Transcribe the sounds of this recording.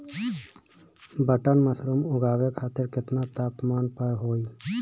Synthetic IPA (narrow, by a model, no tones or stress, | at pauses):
bəʈənməsɾumʊɡaːʋekʰaːt̪ɪɾkɪt̪nat̪aːpmaːnpəɾɦoːi